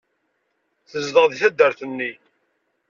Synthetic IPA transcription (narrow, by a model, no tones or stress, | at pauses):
θəzðəʁðiθæd̪ːəɾθənːi